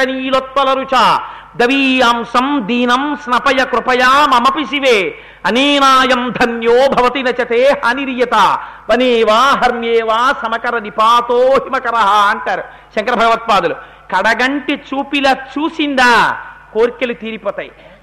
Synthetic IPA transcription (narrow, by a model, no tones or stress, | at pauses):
ɐniːlot̪̚ʋɐlɐɾut͡ʃaː | d̪ɐʋiːaːmsɐmd̪iːnɐmsnɐpɐjɐkɾupɐjaːmɐmɐpis̬iʋeː | ɐniːnaːjɐmd̪ʱɐnjoːbʱɐʋɐt̪inɐt͡ʃɐt̪eːhaːniɾijɐt̪aːʋɐneːʋaːɦɐɾmjeːʋaːsɐmɐkɐɾɐnipaːt̪oːɦimɐkɐɾɐɦɐɐɳʈaːɾu | ʃɐŋkɐɾɐbʱɐɡɐʋɐt̪̚paːd̪ulu | kɐɽɐɡɐɳʈit͡ʃuːpilɐt͡ʃuːsind̪aːkoːɾkelut̪iːɾipoːt̪aːji